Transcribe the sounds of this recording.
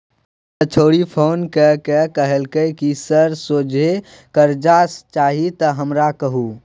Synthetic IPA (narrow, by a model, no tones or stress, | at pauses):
t̪ət͡ʃʰoːɽipʰoːnkəkəkəɦəlkəkisəɾsoːd͡ʒʱe | kəɾd͡ʒast͡ʃaːɦit̪əɦəmɾakəɦu